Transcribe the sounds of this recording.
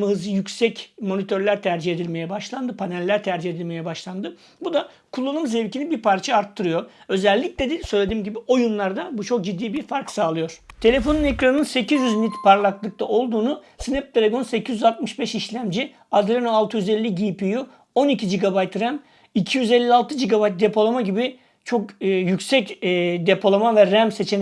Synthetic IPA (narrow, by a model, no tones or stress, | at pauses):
maɦɯzɯjycʲsɛcmo̞nit̪ʰø̞ɾlʲæɾt̪ʰæɾd͡ʒiɦe̞d̪ilʲme̞jɛbaʃlˠand̪ɯpʰanɛlʲːæɾt̪ʰæɾd͡ʒihe̞d̪ilʲme̞jɛbaʃlˠand̪ɯ | bud̪a | kʰulˠːanumze̞vcinibiɾpʰaɾt͡ʃʰaaɾt̪ʰːɯɾɯjo̞ɾø̞zɛlʲːic̚lʲɛd̪isø̞jlʲe̞d̪iːmɟibio̞junlˠaɾd̪abut͡ʃʰo̞k̚d͡ʒid̪ːiːbiɾfaɾksaːlˠɯjo̞ɾ̥t̪ʰe̞lʲe̞fo̞nunekɾanɯnse̞cʰizjyznʲit̪pʰaɾlˠaklˠɯk̚t̪ʰaʔo̞lˠd̪uːnu | sinɛp̚t̪ʰelʲe̞ɡo̞nse̞cʰizjyzat̪̚mɯʃbɛʃiʃlʲæmd͡ʒi | ad̪ɾenoalˠt̪ʰɯjyzelʲːiɟipiju | o̞nicʰid͡ʒiɡabajt̪ɾæm | icʰijyzelʲːialˠt̪ʰɯd͡ʒiɡabajt̪̚d̪e̞pʰo̞lˠamaɟibi | t͡ʃʰo̞kːjycsɛcːd̪e̞pʰo̞lˠamavɛɾæmse̞t͡ʃʰen